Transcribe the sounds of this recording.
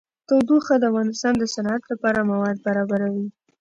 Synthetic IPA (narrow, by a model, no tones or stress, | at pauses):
t̪awd̪uxad̪əavɣɑnɪst̪ɑnd̪əsanɑat̪lapɑɾamawɑd̪̚baɾɑbaɾawi